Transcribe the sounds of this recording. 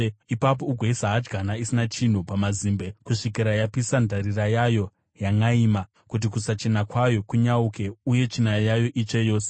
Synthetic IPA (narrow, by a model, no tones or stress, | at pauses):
ipap̬o̞uɡʱeisaɦad͡ʒɡʱanaisinat͡ʃin̤upamaziːmbe̞kuʂikiɾajapisandʱaɾirajajo̞ | jaŋɡaiːma | kut̬ikusat͡ʃe̞nakwajo̞kuɲauke̞uje̞t͡ʃinajajo̞ʔit͡ʃejo̞ːse